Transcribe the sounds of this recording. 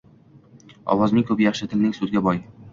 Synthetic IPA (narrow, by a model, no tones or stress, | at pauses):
ɒ̰wɒznɪŋkʰɵpjɑχʃɪt̪ʰɪlnɪŋsuzɡʲabɒj